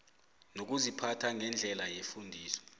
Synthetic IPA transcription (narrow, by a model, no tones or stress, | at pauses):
nok̬uzipʰatʰaŋɛnd͡ɮʱɛlajefundʱiːsɔ̥